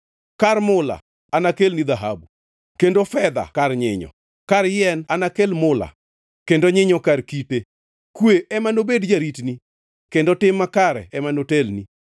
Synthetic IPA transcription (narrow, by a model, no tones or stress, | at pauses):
kaɾmʊla̰ | anakelnid̪aɦa̰bu | kendofɛd̪a̰karɲɪɲɔ̰ | kaɾjɛnanakelmʊla̰ | kendoɲɪɲɔkarkipe | kweɛmanobedd͡ʒaɾitni | kendotɪmːakaɾɛɛmanotelni